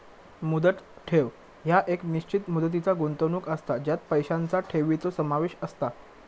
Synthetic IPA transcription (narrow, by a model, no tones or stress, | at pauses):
mud̪ət̪ʈʰeʋ | ɦjaʔekniɕt͡ɕit̪mud̪ət̪̬it͡saɡont̪ənuːkəst̪ad͡ʑjat̪̚pəjɕãnt͡saʈʰeʋit͡sosəmaʋeɕəst̪a